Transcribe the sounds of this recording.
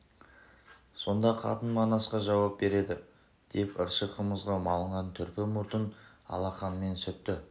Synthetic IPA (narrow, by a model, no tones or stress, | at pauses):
so̞nd̪ɑqʰɑ̰t̪ənmɑnɑsqɑʒɑwɑp̚be̞ɾe̞d̪ɪ | d̪̥e̞pəɾʃəqʰəməzʁɑmɑlˠəɴʁɑnt̪ʰʏɾpɪmʊɾt̪ən | ɑ̰lˠɑχɑnme̞nsʏt̪ːɪ